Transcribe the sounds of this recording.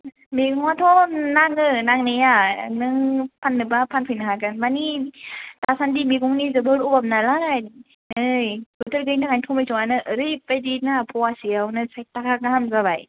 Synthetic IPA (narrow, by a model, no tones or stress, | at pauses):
meɡɔŋatʰɔnaŋɯnaŋnɯjanɯŋpʰanːɯbapʰanpʰɯjnɯɦaɡɯnmani | tasandimiɡɔŋnizɯbɯɾubap̚nalaɾaj | nɯjɡɯtʰɯɾɡɯjŋtaŋajntʰɔmɯjtʰɔŋanɯʔɯɾɯjpajdinapʰɔasiawnɯsaj̚takʰaɡamzabaj